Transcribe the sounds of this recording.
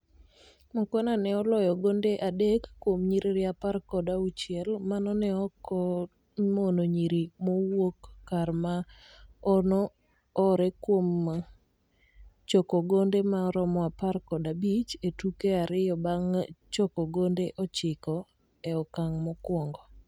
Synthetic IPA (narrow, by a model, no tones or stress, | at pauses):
mɔkwananɛɔlɔjɔɡondeʔadekːwomɲiɾiɾɪaparkɔdaut͡ʃjɛlmanɔnɛɔkɔ | monoɲiɾimowokːarma | ɔnɔː | ɾɛkwom | t͡ʃɔkɔɡondemaɾɔmɔaparkɔdabit͡ʃetukeaɾɪjɔbaŋt͡ʃɔkɔɡondeʔɔt͡ʃɪkɔ | ɛɔkaŋmɔkwɔŋɡɔ